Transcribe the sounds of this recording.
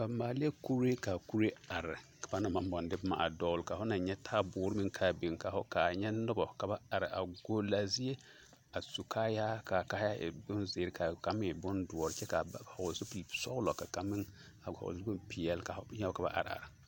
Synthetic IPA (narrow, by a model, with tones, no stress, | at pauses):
ba˨maː˨lɪ˦e˦ku˦ɾe˦ka˨ku˦ɾe˦a˨ɾɪ˨ka˨ba˦na˨ma˨˦m˦bɔ˨ndɪ˦bma̰˨a̰˨dɔ˦lka˨fʊ˦na˨ɲɛ˦tʰaː˦bʊː˨˦ɾɪ˦mɪ˦ŋkʰaː˦bɪ˨ŋka˨fʊ˦ka˨ɲɛ˦nʊ˦bɔ˨ka˨ba˦a˨ɾɪ˨ʔa̰˨ɡo˦la˨zi˦e˦ | a˨su˨kʰaː˦ja˦ka˨ka˦ja˦ɪ̰˨bʊ˦nzɪː˨˦ɾɪ˦ka˨ka˨˦mɪ̃˦ɪ˨bʊ˦ndʊ˨ɔ˨ɾɪ˨t͡ʃɛ˦ka˨a˦˨ha˨ʊ˨zɪ˦pi˨lsɔ˦ʊ˦lɔ˨ka˨ka˦mɪ˦ | a˨ha̰˨ɪ˦bʊ˦mpi˨jɛ˨lka˨˦ɲɛ˦ʊ˦ka˨ba̰˦ʔa̰˨ɾɪ˨a̰˨ɾɪ˨